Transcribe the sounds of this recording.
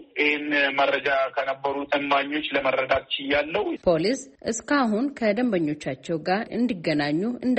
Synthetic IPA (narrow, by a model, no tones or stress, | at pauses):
ʔihenmərəd͡ʒakʰənəbːəɾut̪ʼɨmːaɲːo̞t͡ʃːləmərːəd̪at̪t͡ʃːɪjalːəwpʰo̞lisʔɨskaɦunkʰəd̪əmbəɲːo̞t͡ʃːat͡ʃːɛwɡaɾɨ̰nd̪iɡːənaɲːuɨnd̪